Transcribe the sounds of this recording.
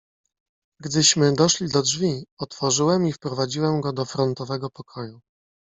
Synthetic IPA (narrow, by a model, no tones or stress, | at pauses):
ɡd̪ɘɕmɘd̪ɔʂlʲid̪ɔdʐvʲiɔt̪fɔʐɘwɛmifpɾɔvad͡ʑiwɛmɡɔd̪ɔfɾɔnt̪ɔvɛɡɔpɔkʰɔju